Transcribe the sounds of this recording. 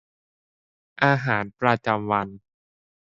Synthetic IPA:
ʔaː˧ɦaː˩˦npɾa˧t͡ɕa˧mwa˧n

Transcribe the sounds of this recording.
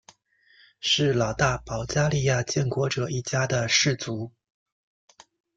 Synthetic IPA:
ʂɻ̩˥˩lɑ˨˩ʊt̪a˥˩pɑ˧˥ʊt͡ɕja˥li˥˧ja˥˧t͡ɕjɛ˥˩nkwɔ˧˥ʈ͡ʂɤ˨˩i˥˩t͡ɕja˥d̪ə˨ʂɻ̩˥˩t͡su˧˥

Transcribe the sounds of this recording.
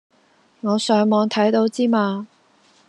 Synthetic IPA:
ŋɔː˨˧sœː˨˥ŋmɔː˨˧ŋt̪ʰɐ˨˥jt̪o˨˥wt͡siː˥maː˧

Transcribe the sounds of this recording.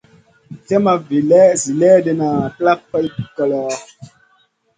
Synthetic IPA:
tɛ˦ma˨vi˨lɛː˦zi˨lɛ˦de˨na˨kla˦k̚pa˦jkə˨lɔː˨˦

